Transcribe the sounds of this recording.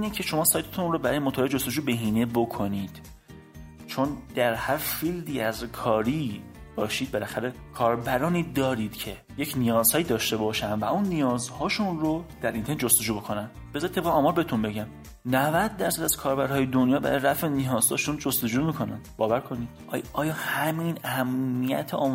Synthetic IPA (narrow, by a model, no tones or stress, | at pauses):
iːnecʰe̞ʃo̞mɒːsɒːjt̪ʰet̪ʰunrobæɾɒːjemot̪ʰɒːled͡ʒost̪o̞d͡ʒuːbe̞ɦiːne̞bo̞kʰo̞niːd̪̥ | t͡ʃʰo̞nd̪̥æɾhæɾfild̪iːæzkʰɒːɾi | b̥ɒːʃiːd̪̚be̞læxæɾe̞kʰɒːɾbæɾɒːniːd̪ɒːɾid̪̥cʰe̞ | jecʰnijɒːz̥hɒːjid̪ɒːʃt̪e̞bɒːʃænvæunːijɒːzhɒːʃunrod̪̥æɾʔint̪ʰened͡ʒo̞st̪o̞d͡ʒuːbo̞kʰo̞næn | b̥ezɒɾit̪ʰːeɣeɒːmɒːɾbeet̪unbe̞ɟæm | nævæd̪̚ːæɾsæd̪æz̥kʰɒːɾbæɾhɒːjed̪onjɒːbæ̰ɾɒjɾæfenijɒːz̥hɒ̰ːʃund͡ʒost̪o̞d͡ʒuːmiːkʰo̞næ̰nbɒːvæɾkʰo̞nid̪̥ɒːjʔɒːjɒːhæmenæhæmːijæ̰t̪ʰeɒː